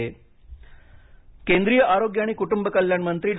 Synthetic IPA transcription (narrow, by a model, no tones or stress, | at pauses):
e | kend̪ɾijəʔaɾoɡjaɽ̃iːkuʈumbəkəljaɳmənt̪ɾiːɖ